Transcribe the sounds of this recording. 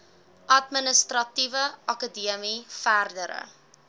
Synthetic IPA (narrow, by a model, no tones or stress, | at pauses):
ʔɐtmənəstrɐtivəɐkədiəmifærdəɾə̰